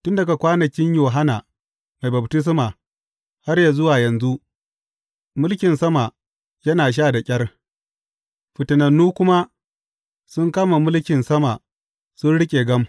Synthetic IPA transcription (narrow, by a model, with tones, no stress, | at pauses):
tʊ˦nda˨ka˨kʷaː˦nɐ˨kʲɪ˦ɲjoː˨ɦa˦naː˨ | ma˨jbɐ˨btɪ˦s̬maː˨ | ha˦rja˨zʊ˦waː˨jɐ˨nzu˦ʔ | mʊ˦lkʲɪ˨nsɐ˦ma˨ | jɐ˦naː˨ʃ̬aː˦˨da˨kʲʼɐ˦r | ɸɪ˨tɪ˨nɐ˨nːuː˦kʷʊ˦ma˦ | sʊ˦ŋkaː˦ma˨mʊ˦lkʲɪ˨nsɐ˦ma˨ | sʊ˦nɽɪ˦kʲʼeː˨ɡɐ˦m